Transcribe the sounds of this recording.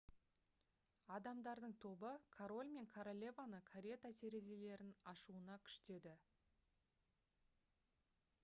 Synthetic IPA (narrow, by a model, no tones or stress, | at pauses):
ɑd̪ɑmd̪ɑɾd̪əɴt̪ʰo̞bəkʰaɾo̞lʲme̞ŋkʰaɾolʲe̞vanəkʰaɾʲe̞t̪at̪ʰe̞ɾe̞ze̞le̞ɾɪnɑʃuənɑkʲʰʏ̥ʃt̪e̞d̪ɪ